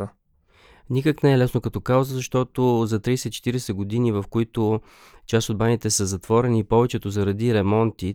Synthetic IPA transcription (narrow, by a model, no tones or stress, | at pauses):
nikəknɛɛlɛsnokɐt̪ɔkawzəzɐʃt̪ɔt̪ozɐt̪ɾijsɛt̪t͡ʃɛ̥t̪iɾɛsɛɡod̪inivɐfkoit̪o | t͡ʃasod̪̚banit̪ɛsəzɐt̪vɔɾɛnipɔvɛt͡ʃɛt̪ozɐɾɐd̪iɾɛmɔnt̪i